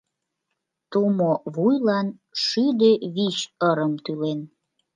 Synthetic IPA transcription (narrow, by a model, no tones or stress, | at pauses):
t̪umoβujlɑnʃyd̪eβit͡ɕəɾəmt̪ylen